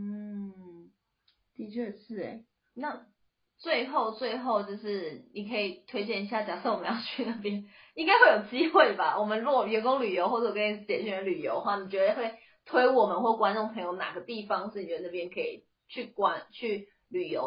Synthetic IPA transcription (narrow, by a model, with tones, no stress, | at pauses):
n̩˥ | t̪i˧˥t͡ɕʰɛ˥˧ʂɻ̩˥˩ḛ˨˩˦ | na˥˧ | t͡swe˥˧ɪxo˥˧ʊt͡swe˥˧ɪxo˥˧ʊt͡ɕjo˧ʊʂɻ̩˥˩ni˨˩kʰɤ˧˥i˨˩t̪ʰwe˥ɪt͡ɕjɛ˥˩ni˧ɕja˥˩t͡ɕja˨˩so˥˩ʊwmə˧jʊt͡ɕʰy˥˧na˥˩pjɛ˥n | i˥ŋka˥ɪxwe˥˩ɪjo˨˩ʊt͡ɕi˦˥xwe˥˩ɪba˨wʔɔ˨˩mə˨˦nɻu˧˥ɔ˨˩jɛ˨˥ko˥ŋly˨˩jo˧ʊxwɔ˥˩ʈ͡ʂə˥˩wkʰi˨˩˥t͡ɕjɛ˨˩t͡ɕy˥˩ə˧˦ly˨˩jo˧˥ʊd̪ə˧xwa˥˩ni˨˩t͡ɕɥɛ˧˥d̪ə˧xwe˥˩ɪ | t̪ʰwe˥ɪwɔ˨˩mə˦nxwɔ˥˩kwa˥nʈ͡ʂŋpʰə˧ŋjo˧ʊna̰˨˩ɡə˩˦t̪i˥˩fɑ˦ŋʂɻ̩˥˩ni˨ɥɛ˧˥d̪na˥˩jɛ˥nkʰɤ˧˦ḭ˨˩ | t͡ɕʰy˥˩kwa˧˥nt͡ɕʰy˥˩ | ly˨˩jo̰˧˦ʊ